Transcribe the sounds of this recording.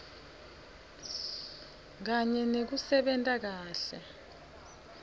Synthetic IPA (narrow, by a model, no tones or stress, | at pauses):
k̬aɲɛnek̬usɛɓɛntʼak̬aːɬɛ